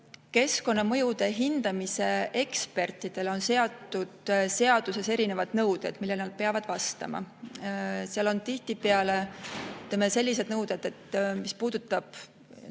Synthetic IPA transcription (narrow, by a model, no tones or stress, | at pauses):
ke̞sko̞nːɑmɤ̞jud̪̥e̞ɦind̪̥ɑmise̞e̞kspe̞rt̪ːˑid̪̥e̞lo̞nse̞ɑt̪ːˑud̪̥se̞ɑd̪̥use̞se̞ɾine̞vɑd̪̥nɤwd̪̥e̞d̪̥milːe̞lnɑd̪̥̚peɑvɑd̪̥vɑst̪ɑ̰mɑ̰ | seɑlo̞nt̪iht̪ipeɑle̞t̪ːˑemese̞lːise̞d̪nɤwd̪e̞d̪̥e̞t̪ːmispuːd̪̥ut̪ːˑɑb̥